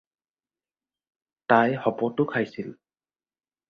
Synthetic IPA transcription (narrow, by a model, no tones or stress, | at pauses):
tajhɔpɔtʊkʰajsil